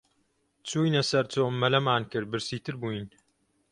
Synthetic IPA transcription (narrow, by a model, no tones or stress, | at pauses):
t͡suːjnɐsɐɾt͡soːmːɐlɐmaːnkɨɾ̚bɨɾsiːt̪ɨɾbuːjn